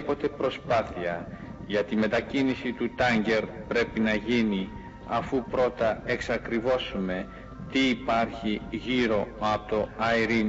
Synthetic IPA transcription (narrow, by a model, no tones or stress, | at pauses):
po̞t̪e̞pɾo̞spɐθiɐʝɐt̪ime̞t̪ɐcinisit̪ut̪ɐɲɟe̞ɾpɾe̞pinɐʝini | ɐfupɾo̞t̪ɐe̞ksɐkɾivo̞sume̞ | t̪iːpɐɾçiʝiɾo̞ɐt̪o̞ɐiɾin